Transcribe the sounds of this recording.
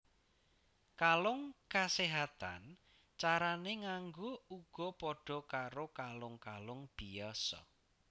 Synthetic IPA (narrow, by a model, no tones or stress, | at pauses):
kalʊŋkaseɦat̪a̰n | t͡ʃaɾaneŋaŋɡouɡ̥ɔ̤pɔɖ̥ɔ̤kaɾokalʊŋkalʊŋb̥ijɔsɔ̰